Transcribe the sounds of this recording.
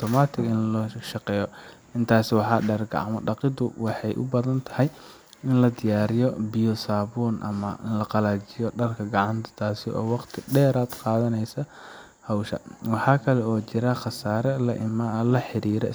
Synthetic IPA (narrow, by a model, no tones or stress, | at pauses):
t̪ʰɔmaːt̪ʰɪɡɪnlɔʃɑqɛːjɔʔɪnt̪ʰaːsɪwɑħɑːɖɐrɡʰɑ̰ʕɑ̰mɐɖɑqɪd̪ʊwɑħɑjʔʊ̰bɐðɐnt̪ʰɐ̥hɛj | ɪnlɐd̪ɪjaːɾɪjɔbɪjɔsaːβɔːnʔɐ̰mɐ̰lɐqɑlaːt͡ʃɪjɔɖɐrkʰɐɡɑʕɑnt̪ʰɐ̥t̪ʰaːsɪɔ̰ːwɑqt̪ʰɪɖɛːɾaːd̪qɑːðɐnɛjsɐ | hɐwʃɐ̰wɑħɑːkʰɐlɛɔːt͡ʃɪɾɐχɑsaːɾɛlɐʔɪmalɐħɪɾiːɾɛ̰